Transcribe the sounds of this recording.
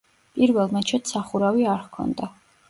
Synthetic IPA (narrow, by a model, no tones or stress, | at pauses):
pʼiɾvɛlˠmɛt͡ʃʰɛt̪saχuɾaviaɾkʰɔ̰nd̪a